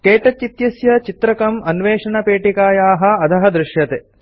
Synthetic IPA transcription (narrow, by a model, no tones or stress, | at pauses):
keːʈɐt͡ʃːit̪jɐsjɐt͡ʃit̪ɾɐkɐmɐnʋeːʂɐɳɐpeːʈikaːjaːɦɐ̆ɐd̪ʰʱɐɦɐd̪ɾɪʂjɐt̪e